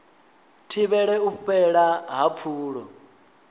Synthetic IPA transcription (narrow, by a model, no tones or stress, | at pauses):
tʰiβɛɺɛuɸɛɺaɦap̪fʰuːɺɔ